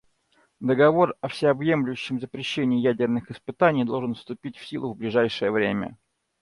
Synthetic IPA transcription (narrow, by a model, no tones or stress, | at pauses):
d̪əɡɐvo̞rɐfsʲɪɐbjemlʲʊjɕːɪmzəpɾʲɪɕːenʲɪːjædʲɪrnɨxɪspɨt̪anʲɪjd̪o̞lˠʐɨnfst̪ʊpʲitʲfsʲilˠʊvblʲɪʐajʂɨjəvɾʲemʲə̰